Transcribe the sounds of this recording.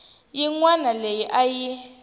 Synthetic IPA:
jiŋwanalejiʔaji

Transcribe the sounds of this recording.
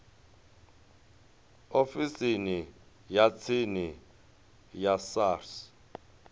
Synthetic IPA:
ofisini | jat͡sʰini | jasaːrs

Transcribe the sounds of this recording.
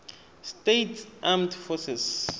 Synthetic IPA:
stetʰʔamtfɔsɛs

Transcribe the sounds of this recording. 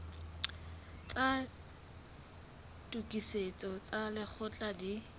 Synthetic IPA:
t͡sʼa | tʼukʼiset͡sʼɔt͡sʼalɪk͡xʰʊt͡ɬʼadi

